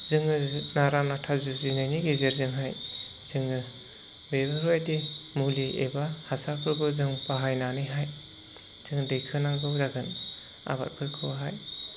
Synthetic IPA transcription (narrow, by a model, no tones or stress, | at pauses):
zɯŋɯnaɾanatʰazuzinajniɡezeɾzɯŋɦaj | z̥ɯŋɯ | bebɯɾojdemuliʔḛbahasapʰɯɾɡɯzɯŋpaɦajnanɯɦaj | z̥ɯŋdɯjkʰɯnaŋɡɯwzaɡɯn | a̰ba̰t̚pʰɯɾkʰɯwaɦaj